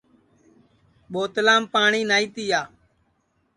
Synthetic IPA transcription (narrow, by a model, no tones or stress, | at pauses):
ɓoːt̪laːmpaːɳiːnaːiːt̪iːjaː